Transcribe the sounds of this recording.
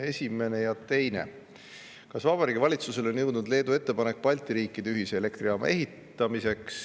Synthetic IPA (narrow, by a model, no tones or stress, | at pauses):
e̞sʲime̞ne̞jɑt̪e̞jne̞̰ | kɑsvɑb̥ɑɾiːɡ̥ʲivɑlʲit̪suse̞lo̞nʲjɤ̞wd̪nud̪le̞ːd̪ue̞t̪ːe̞pɑne̞k̚ːpɑlʲt̪ˑiɾiːkːˑid̪̥e̞yɦise̞ːle̞kt̪ɾiɑːmɑ̰e̞ɦit̪ːˑɑmise̞ks